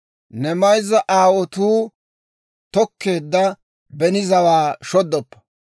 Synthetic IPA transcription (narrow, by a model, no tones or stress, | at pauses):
nɛmɐjzɐʔaːwɔt̪uː | t̪ɔkʰːe̞ːd̪ːɐ | bɛnɪzɐwaːʃɔd̪ːɔpːɐ̥